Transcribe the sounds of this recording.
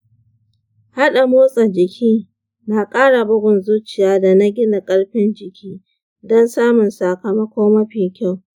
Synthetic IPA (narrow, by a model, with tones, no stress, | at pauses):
ha˦ɗa˨moː˦sʼa˨d͡ʒɪ˨kʲʰiː˦ | na˨kʼaː˦ɽa˨bʊ˦ɡʷʊ˨nzuː˦t͡ʃɪ˨jaː˦da˨na˦ɡʲɪ˦na˨kʼɐ˦ɽɸɪ˦nd͡ʒɪ˨kʲʰiː˦ | dɔ˦nsaː˦mʊ˨nsa˨kɐ˨mɐ˦kʷoː˦mɐ˦ɸiː˨kʲa˦˨w